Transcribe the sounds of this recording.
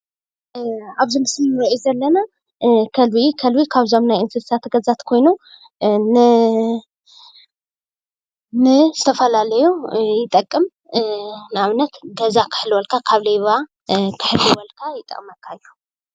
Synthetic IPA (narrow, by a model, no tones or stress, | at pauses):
aβzimɨsliwɐʔizɐlːɐna | kʰɐlβikʰɐlβikʰaβzo̞mnajɨnfɨzsat̪ɡɐzat̪kʰo̞jnu | nɨ | nɨzɨt̪ʰɐfɐlalɐjujɪt̪ʼːɐkʼːɨm | nɨaβnɐt̪ɡɐzakʰɨ̥ħlɨwɐlkʰakʰaβlejβa | kʰɨ̥ħɨlːɨwɐlkʰajɪt̪ʼɐ̰kʼmɐkʰːaɨjːu̥